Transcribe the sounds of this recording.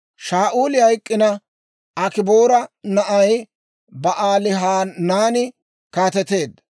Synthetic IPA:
ʃaːʔuːlɪhɐjkʼːɪnɐ | ɐkɪboːɾɐnɐʔɐj | bɐʔaːlɪɦaːnaːnɪ | kaːt̪ɛt̪e̞ːd̪ː

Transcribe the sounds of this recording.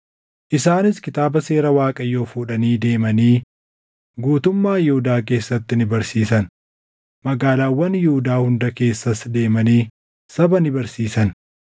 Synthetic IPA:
ʔɪsaːnɪskɪt̪aːbɐse̞ːɾɐwaːkʼɐjːo̞ːfuːᶑɐniːd̪e̞ːmɐniː | ɡuːt̪ʊmːaːjɪhʊd̪aːk̬e̞ːsːɐt̪ːɪnɪbɐɾsiːsɐn | mɐɡaːlaːwːɐnjɪhʊd̪aːhʊnd̪ɐke̞ːsːɐsd̪e̞ːmɐniː | sɐbɐnɪbɐɾsiːsɐn

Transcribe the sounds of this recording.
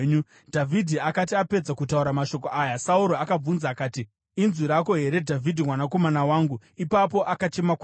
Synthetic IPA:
ɲu | dʱavʱidʱiakat̬iape̞d͡zakutauɾamaʃo̞koʔaːjasauɾoakab͡vunzaːkaːti | inziɾako̞ɦe̞ɾe̞dʱavʱidʱimwanako̞manawaːŋɡu | ipapo̞ʔakat͡ʃe̞mak

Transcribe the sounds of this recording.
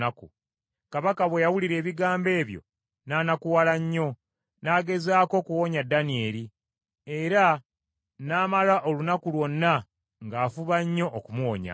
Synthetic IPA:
aku | kaβakaβwe̞jawuliɾe̞ːβiɡaːmbe̞ːβjo̞̰ | naːnakuwalaɲːo̞ | naːɡe̞zaːko̞kuwo̞ɲadːanie̞ːɾi | e̞ɾa | naːmalaʔo̞lunakulwo̞nːa | ŋɡaːfuβaɲːo̞ʔːkumuoɲa̰

